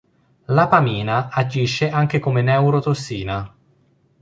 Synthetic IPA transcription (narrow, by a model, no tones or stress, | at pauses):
lapamiːnaad͡ʒiʃːeʔaŋk̟ekomenɛwɾot̪osːiːna